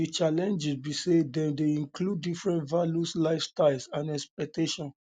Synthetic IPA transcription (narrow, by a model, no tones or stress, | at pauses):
it͡ʃalɛ̃nd͡ʒisbisedɛ̃ndeĩŋkluddifɹɛ̃ntvaljuslaɪfstaɪlˠsãnɛspɛk̚teʃɔ̃n